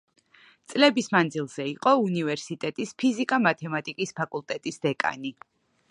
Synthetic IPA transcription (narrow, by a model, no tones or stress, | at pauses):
t̪sʼlɛbismand̪zilˠz̥ɛiqʼɔunivɛɾsit̪ʼɛt̪ʼispʰizikʼamat̪ʰɛmat̪ʼikʼispʰakʼulˠt̪ʼɛt̪ʼisd̪ɛkʼa̰ni